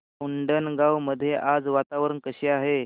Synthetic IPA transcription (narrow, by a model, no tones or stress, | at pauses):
uɳɖənɡawməd̪ʱːjeʔad͡zʋat̪aʋəɾənkəɕeaɦe